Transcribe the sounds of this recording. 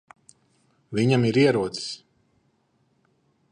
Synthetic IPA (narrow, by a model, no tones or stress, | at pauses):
viɲamiɾiɛɾuɔt̪i̥s